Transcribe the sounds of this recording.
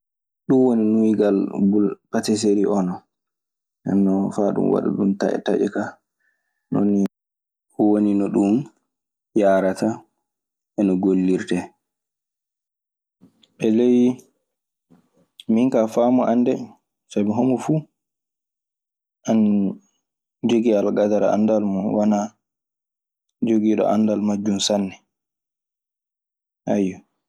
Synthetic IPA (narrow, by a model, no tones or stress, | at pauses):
ɗumwoninuwiɡalbulpatɛs̬eɾiʔɔnɔ | ɛ̰nːɔfaɗṵmwa̰ɗṵɗumta̰ʔɛ̰taʔɛka | no̰nːi | woninɔɗum | jaɾata | ʔɛnɔɡolːiɾtɛ | ɓɛlej | miŋkafaːmɔʔandɛ | sabɛɦomɔfu | ʔan | d͡ʒoɡialɡadaɾa̰a̰ndalmɔwana | d͡ʒoɡiɗɔ̰ʔa̰ndalmad͡ʒːumsanːɛ | ʔajːɔ